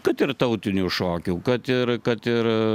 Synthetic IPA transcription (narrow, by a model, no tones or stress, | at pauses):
kɐt̪ɪrt̪ɐʊt̪ʲɪnʲuʃoːkʲuːkɐt̪ɪɾkɐt̪ɪɾ